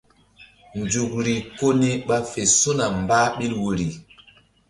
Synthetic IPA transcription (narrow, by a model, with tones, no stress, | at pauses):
nd͡ʒu˨kɾi˨ko˦ni˦ɓa˦fe˨so˦na˨m˨baː˦ɓi˦lwo˨ɾi˨